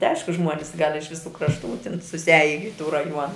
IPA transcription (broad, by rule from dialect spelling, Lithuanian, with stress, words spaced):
tʲɪ ˈɐɪʃkʊ ˈʒmuɔnʲɪs ɡɐlʲ ɪʃ ʋʲɪˈsuː krɐʃˈtuː tʲɪn sʊsʲɪˈɑːjɪ ɪ tuː rɐˈjuɔnɐ